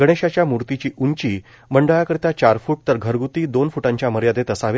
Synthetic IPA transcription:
ɡəɽ̃eɕat͡ɕjamuɾt̪it͡ɕiːʔuɲt͡ɕiː | məɳɖəɭakəɾit̪at͡ɕaɾfuːʈ̚t̪əɾɡʱəɾɡut̪iːd̪onfuʈãɲt͡ɕjaməɾjad̪et̪əsaʋe

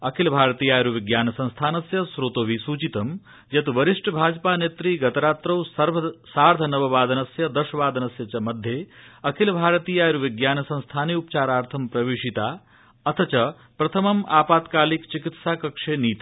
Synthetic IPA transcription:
ɐkʰilbʱaːɾɐt̪iːjaːjɾuʋiɡjaːnɐsɐ̃ñst̪ʰaːnɐsjɐsɾot̪oːʋisuːt͡ʃit̪ɐm | jɐt̪uʋɐɾiʂʈɐbʱaːd͡ʒɐpaːneːt̪ɾiːɡɐt̪ɐɾaːt̪ɾɐwsɐɾʋɐsaːɾd̪ʱɐnɐʋɐʋaːd̪ʱɐnɐsjɐd̪ɐʃɐʋaːd̪ɐnɐsjɐt͡ʃɐmɐd̪ʱjeːɐkʰilbʱaːɾɐt̪iːjaːjɐɾuʋiɡjaːnɐsɐ̃ñst̪ʰaːniupɐt͡ʃaːɾaːɾt̪ʰɐmpɾɐʋiːʂit̪aː | ɐt̪ʰɐt͡ʃɐ | pɾɐt̪ʰɐmɐmaːpaːt̪kaːlikt͡ʃikit̪saːkɐkʂeːniːt̪i

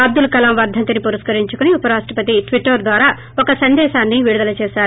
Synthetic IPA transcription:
ɐb̚d̪ulkɐlɐmʋɐɾd̪ʱɐnt̪ɐnipuɾɐskɐɾiɲt͡ʃukuniupɐɾaːʂʈɐpɐt̪iʈʋiʈːɐɾd̪ʋaːɾaː | ɔkɐsɐnd̪ɛːʃaːnːiʋiɽud̪ɐlɐt͡ʃɛːʃaːɾu

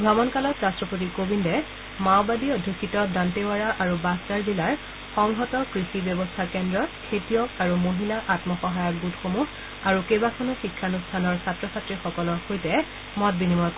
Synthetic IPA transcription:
bʱɹamɔnkalɔtɹastɹɔpot̬ikobindɛ | mawbadiodʱikʰːitɔdantewaɹaʔaɹubastaɹzilaɹ | xɔŋɦɔtɔkɹisibjɔbɔstʰakɛndɹɔkʰetijɔkaɹumoɦilaʔatmɔxɔɦajɔk̚butʰxomux | aɹukebakʰɔnɔxikʰːanustʰanɔɹsatɹɔsatɹixɔkɔlɔɹxojtɛ | mɔt̚binimɔ

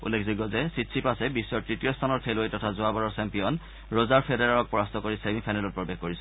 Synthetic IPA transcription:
ṵlːekziɡɔzɛsitsʰipasɛbisːɔɹtɹitijɔstʰanɔɹpʰelojtɔtʰazʊabaɹɔɹsɛmpijɔn | ɹozaɹpʰedeɹaɹɔk̚pɔɹastʰɔkoɹisemĩpʰajnɛlɔt̚pɹɔbexkoɹisɔ

